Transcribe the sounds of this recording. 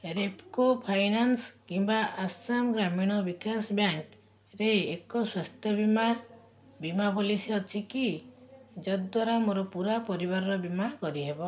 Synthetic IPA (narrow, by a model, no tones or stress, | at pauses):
ɾepkopʰajnanskimbaʔasamɡɾamiɽ̃ɔbikasɔbjaŋk | ɾeekɔswast̪ʰjɔbima | bimabɔlisiɔt͡ʃʰiki | d͡ʒɔd̪waɾamoɾɔpuɾapɔɾiβaɾɔɾɔbimakɔɾiɦebɔ